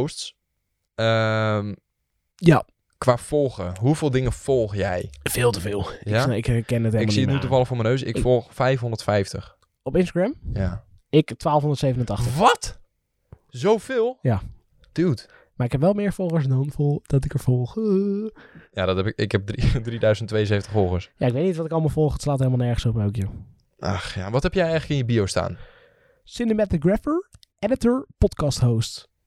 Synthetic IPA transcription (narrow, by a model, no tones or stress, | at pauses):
osts | əm | ja | kʋaːfɔlˠxəɦufɪːlˠdɪŋəfɔlˠxjɛjfeːlˠtəfɪːlˠjaɪkkɛnətekmiətnytufɑlˠəxfoːɹmənøːsɪ̰kfɔlˠxfɛjfɦõndə̥tfɛjftəx | ɔpɪnstaɡɹɛmja | ɪktʋaːlˠfõndərtsejvənəntɑxtəʋɔt | zowfɪːlˠja | d̥ywt | maːɹɪkɦɛpʋɛlˠmɪːɹfɔlˠχəɹsdɑnfdɔtɪkəɹfɔlˠχə | jadɔtɛpɪkɪ̰kɦɛp̚dridridœɥzəntːʋejənzejətəχfɔlˠχəsja̰ɪkʋejtnitʋɑtɪkɑlˠmɑlˠfɔlˠχətslaːthelmlˠnɛɹχənsɔpowkjə | ʔɑ̰χja̰ʋɑtɦɛpjɛjɛjələkɪnjəbiowsta̰ːn | sɪnəmɛtɪɡɹɛfəɹ | ɛdətəɹpɔtkɑsthowst